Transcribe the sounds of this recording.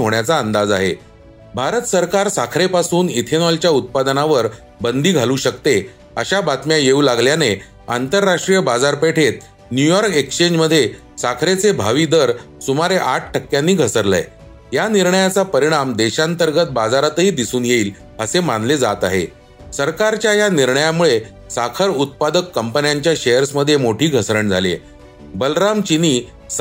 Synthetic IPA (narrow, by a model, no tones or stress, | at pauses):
iɦoɳjat͡saənd̪ad͡zaɦḛ | bʱaɾət̪səɾkaɾsakʰɾepasuːnit̪ʰenɔlt͡ɕjaut̪̚pad̪ənaʋəɾ | bənd̪iːɡʱaluːɕəkt̪e | əɕabat̪mjajeulaɡljane | a̰nt̪əɾːaʂʈɾijəbad͡zaɾpeʈʰet̪̚ | njujɔɾkekɕeɲd͡ʑməd̪ʱːje | sakʰɾet͡sebʱaʋiːd̪əɾsumaɾeʔaʈ̚ʰʈʰəkːjanːiːɡʱəsəɾla̰j | janiɾɳəjat͡sapəɾiɽ̃amd̪eɕãnt̪əɾɡət̪̚bad͡zaɾat̪əɦiːd̪isuːnjeiːl | əsemanled͡zat̪a̰ɦḛ | səɾkaɾt͡ɕjajaniɾɳəjamuɭe | sakʰəɾut̪̚pad̪əkːəmpənjaɲt͡ɕjaɕejəɾsməd̪ʱːjemoʈʰiːɡʱəsɾəɳd͡zʱa̰lḛ | bəlɾamt͡ɕiniː